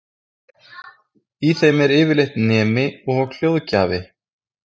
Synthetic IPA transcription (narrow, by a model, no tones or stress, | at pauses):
iθejmɛɾɪːvɪlejht̪nɛːmɪɔɣɔɣl̥jowðca̰ːvɪ